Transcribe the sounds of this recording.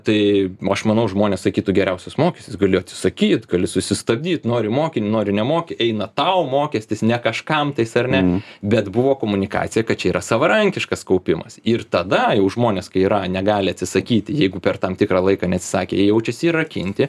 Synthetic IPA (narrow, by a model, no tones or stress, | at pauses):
t̪ɐɪɐʃmɐnɐʊʒmoːnʲeːsɐkʲiːt̪ʊɡʲɛɾʲɛʊsʲosmoːkʲɛsʲt̪ʲɪsɡɐlʲɪɐtʲsʲɪ̥sɐkʲiːt̪ɡɐlʲɪsʊsʲɪst̪ɐbʲd̪ʲiːt̪noːɾʲɪmoːkʲɪnʲnoːɾʲɪnʲɛmoːkʲɪɛɪnɐt̪ɐʊmoːkʲɛsʲt̪ʲɪsnʲɛkɐʃkɐmt̪ɐɪsɐrʲnʲɛbʲɛt̪bʊʋoːkoːmʊnʲɪkɑ̰ːtt͡s̪ʲɪjɛkɐt̪̚t͡ʃʲɛiːɾɐsɐʋɐɾɐŋʲkʲɪʃkɐskɐʊpʲɪmɐsɪrt̪ɐd̪ɐjɛʊʒmoːnʲeːskɐɪiɾɐnʲɛɡɑːlʲɪɐt̪ʲsʲɪsɐkʲiːt̪ʲɪjɛɪɡʊpʲɛrt̪ɐmt̪ʲɪkɾɑːlˠɐɪkɑːnʲɛɐt̪ʲsʲɪ̥sɑːkʲḛːjjɛʊt͡ʃʲɛsʲiːrɐkʲɪ̰nʲt̪ʲɪ